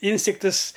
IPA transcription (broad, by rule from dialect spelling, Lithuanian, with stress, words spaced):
ˈɪnʲsʲtʲɪktɨs